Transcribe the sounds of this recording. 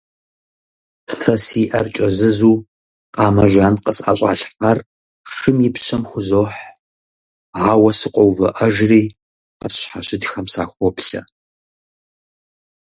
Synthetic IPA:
stʰɐsiːʔɐrt͡ʃʼɐzɨzuː | qʼɑːmɐʒʷaːnqəsa̰ɕʼa̰ːɬħar | ʃɨmjɪpɕɐmxʷʊzoːħ | ʕaːwɐsɨqʷʼɔwvɐ̰ʔɐʒriː | qəsɕħaɕɪdxɐmsaːxʷɔpɬɐ̰

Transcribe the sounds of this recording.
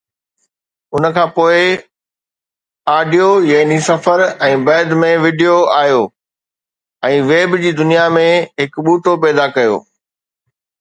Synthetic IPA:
ʊnə̆kʰãːpoːɪ | aːɖijojɐɦnisɐfəɾɛ̃ːbɛːd̪mẽʋɪːɖijoaːɦjoː | ɛ̃ːʋeːbd͡ʑiːd̪ʊnijamẽɦɪkɓuːʈopɛːd̪akɐjo̰ː

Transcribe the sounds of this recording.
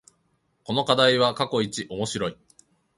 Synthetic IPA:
ko̞no̞kad̪aiβakako̞it͡ɕiʔo̞mo̞ɕiɾo̞i

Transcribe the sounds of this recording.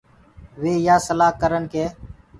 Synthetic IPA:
ʋeːjaːsəlaːkəɾənkʰeː

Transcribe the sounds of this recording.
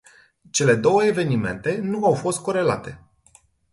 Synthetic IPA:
t͡ʃe̞le̞d̪o̞wəeve̞nime̞̰nt̪e̞nuawfo̞st̪̚ko̞ɾe̞la̰t̪e̞̰

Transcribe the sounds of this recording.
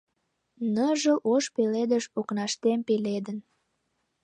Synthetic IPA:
nəʒəlʔoʃpeled̪əʃoknɑʃt̪empeled̪ən

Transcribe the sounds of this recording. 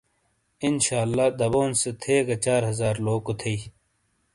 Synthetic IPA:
inɕaːlːaːd̪ɐboːnset̪ʰeːɡɐt͡ɕaːɾɦɐzaːɾloːkot̪ʰeiː

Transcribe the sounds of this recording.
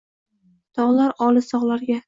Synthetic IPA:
t̪ʰɒʁlaɾɒlɪsɒʁlaɾɡʲa

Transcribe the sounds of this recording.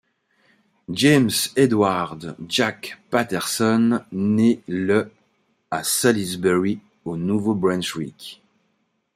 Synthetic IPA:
ʒɛmsed̪waʁd̪ʒakpat̪ɛʁsɔnːelə | asalizbɛʁi | onuvobʁɛ̃nʃʁḭk

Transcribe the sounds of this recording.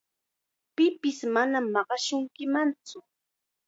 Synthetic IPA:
pɪpɪsmanamːɑɢɑʃʊŋkɪmant͡sʊ

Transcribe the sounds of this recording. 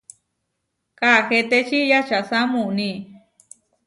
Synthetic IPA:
kaxet̪et͡ʃijat͡ʃasamuni

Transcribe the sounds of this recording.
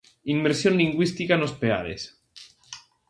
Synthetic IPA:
imːeɾsjonliŋɡwist̪ikanospea̰ɾḛs

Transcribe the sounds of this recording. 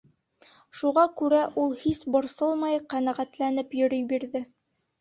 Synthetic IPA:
ʃuʁɑkʉɾæʔulˠhisbŏɾsɤlˠmɑjqænæʁæt̪lænɘpjɵ̆ɾɵjbiɾðɘ

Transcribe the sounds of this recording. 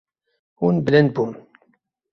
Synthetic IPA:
unblænbum

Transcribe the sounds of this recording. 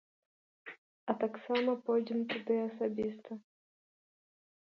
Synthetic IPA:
ɐt̪aksamɐpɔjd͡zʲɛmt̪ud̪ɨɐsabʲist̪ɐ

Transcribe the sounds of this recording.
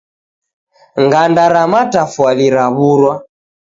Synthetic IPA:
ŋɡandaɾamatafwaliɾaβuɾwa

